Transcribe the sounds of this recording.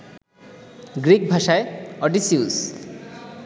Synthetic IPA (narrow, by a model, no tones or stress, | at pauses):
ɡɾik̚bʱaʃaeɔʈisius